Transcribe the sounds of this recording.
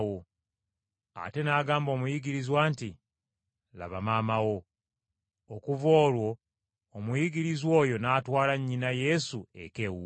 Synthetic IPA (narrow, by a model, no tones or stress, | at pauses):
wo | a̰te̞naːɡaːmbo̞ːmujiɡiɾizwaːnti | la̰βamaːmawo̞ | okuvo̞ːlwo̞ː | mujiɡiɾizwo̞ːjo̞naːtwaːlaɲːinaje̞sue̞̰ke̞wu